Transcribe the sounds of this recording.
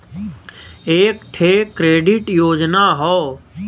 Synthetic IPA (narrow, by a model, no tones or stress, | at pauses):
eːkʈʰeːkːɾeːɖɪʈjoːd͡ʒnaɦɔː